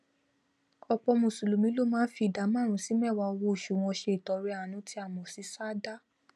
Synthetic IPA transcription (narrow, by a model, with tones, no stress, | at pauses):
ɔ˧k͡pɔ˧mũ˨su˨lu˨mĩ˧˦lo˦mãː˦fi˧˨da˨˦mã˦˨ɾ̃ũ˨˦si˨˦mɛ˦˨wa˧o˧wo˧˨ʃu˨w̃ɔ̃˧ʃe˧i˨tɔ˨˦ɾɛ˦a˨˦nũ˦tʰi˦a˦˨mɔ̃˨si˨˦sa˦da˦